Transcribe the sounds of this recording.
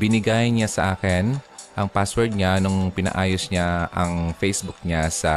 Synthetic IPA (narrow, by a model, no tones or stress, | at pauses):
bɪnɪɡajnɲasɐʔaːkɪnʔɐŋpaswɛɹt̪̚ɲanʊŋpɪnɐ̰ʔaːjosɲaʔɐŋfɛjsbʊk̚ɲasɐ